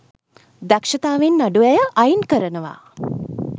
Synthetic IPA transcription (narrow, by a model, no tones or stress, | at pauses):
d̪akʃɐt̪aːʋenːaɖuɛjəʔajinkəɾənəʋa̰ː